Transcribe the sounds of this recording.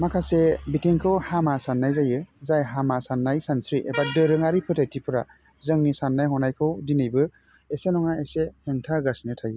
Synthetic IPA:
makʰasebitiŋkʰɯwhamasanːajzajɯzajɦamasanːajsansɾiʔḛbadɯɾɯŋaɾipʰɯtʰatʰipʰɯɾa | zɯŋnisanːajhɔnajkʰɯwdinɯjbɯ | esenɔŋaeseheŋtʰaɡasinɯtʰajɯ

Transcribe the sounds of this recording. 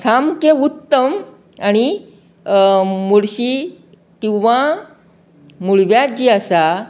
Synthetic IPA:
samkeut̪ːəm | aɽ̃i | moɽɕi | kĩw̃ʋa | muɭʋjad͡ʑiasa

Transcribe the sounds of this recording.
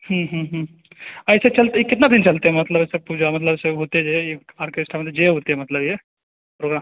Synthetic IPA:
hə̃ɦə̃ɦə̃ | ɐjset͡ʃɐlt̪ekɪt̪nad̪int͡ʃɐlt̪eɦemɐt̪ləbɐsepud͡ʒamɐt̪ləbseɦot̪ed͡ʒejeaːɾkeɪsʈʰamɐd̪ʱjed͡ʒeɦoːt̪eɦemɐt̪ləbje | pɾoːɡɾa

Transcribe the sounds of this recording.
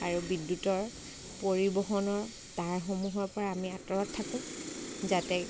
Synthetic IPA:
aɹubidːutɔɹ | poɹibɔxɔnɔɹ | taɹxomuɦɔɹpɔɹaːmiatɔɹɔtʰːakʊ̃zatɛ

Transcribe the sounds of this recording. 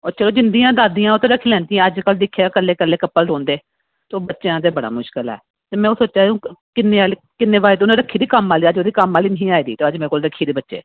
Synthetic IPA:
ɔːɾt͡ʃəloːd͡ʒɪnd̪iːãːd̪aːd̪ijãːoːt̪ẽːɾəkʰːiːlɛ̃ːnd̪ijãːəd͡ʒkəld̪ɪkʰːeaːkəlːeːkəlːeːkəpːəlɖõːnd̪eː | t̪eoːbətːʃeãːt̪̬eːbəɽa̰ːmʊʃkəlɛ̰ː | t̪eːmɛ̃ːoːsoːt͡ʃãːkɪnːeːaːl | kɪnːeːbaːeːt̪onãɾəkʰːiːd̪iːkəmaːliːəd͡ʒoːd̪iːkəmaːliːnəɦĩːaːiːd̪iːt̪eːəd͡ʒmɛ̃ːkoːlɾəkʰːiːd̪iːbətːʃḛː

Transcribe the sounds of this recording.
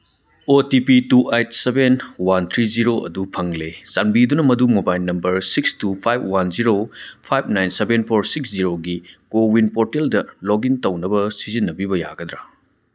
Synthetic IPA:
otipituʔejt̚ʰsebenwant̪ʰɾiziɾoʔɐ̰dupʰɐŋlesanbidunɐmɐdumobajlnːɐmbɐɾsikstupʰajb̚wanziɾopʰajb̚najnsebenpʰoɾsiksziɾoɡikowinpoɾteldɐloɡintɐwnɐbɐsizinːɐbibɐja̰ɡɐd̪ɾa

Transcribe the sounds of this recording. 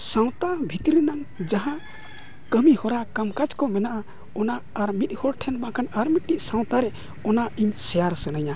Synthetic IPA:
sãw̃t̪abʱit̪ɾinaŋd͡ʒaɦã | kəmihɔɾakamkad͡ʒkɔmɛnaʔa | ɔnaːɾmit̪̚ˀhɔɾʈʰɛnmakʰanaɾmit̪̚nit̪̚sãw̃t̪aɾɛ | ɔnaiɲsɛjaɾsənaɲa

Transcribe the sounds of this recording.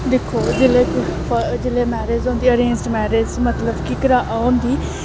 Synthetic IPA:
d̪eːkʰːoːd͡ʒeleːkpəd͡ʒeːleːmɛːɾeːzɦõːnd̪iːəɾẽːnzʈmɛːɾeːzmət̪ləbkɪkəɾaːʔaond̪iː

